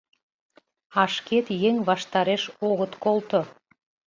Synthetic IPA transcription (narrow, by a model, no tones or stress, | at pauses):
ɑʃket̪jeŋβɑʃt̪ɑɾeʃoɣət̪kolˠt̪o